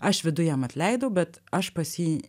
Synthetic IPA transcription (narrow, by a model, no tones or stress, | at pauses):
ɐʃʋʲɪd̪ʊjɛːmɐt̪ʲlʲɛɪd̪oʊbʲɛt̪ɐʃpɐsʲiː